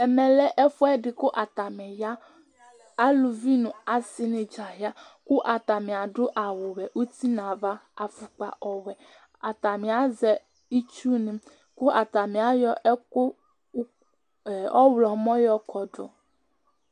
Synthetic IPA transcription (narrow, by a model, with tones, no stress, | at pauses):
ɛ˨mɛ̃˨lɛ˦ʔe˦fo˦ɛ˦ɖɪ˨ko˦ʔa˨t̪a˨mɛ̃˨ja˦ | a˦lu˨vi˦nũ˨a˨si˦nĩ˨d͡ʒa˨ɦa˦ku˦ʔa˨t̪a˨mĩ˨a˨ɖʊ˦ʔa˨wo˨wɛ˨ʔu˦t̪i˦nã˨va˦a˨fu˨k͡pa̰˨ʔɔ˨wɛ˨ | a˨t̪a˨mĩ˨a˦zɛ˨ | i˦t͡ʃu˦nĩ˨ | ku˦ʔa˨t̪a˨mĩ˨a˦jɔ˦ʔɛ˦ko˦˨ | ɔ˦wlɔ˨mɔ̃˦jɔ˦kʰɔ˨ɖo̰˨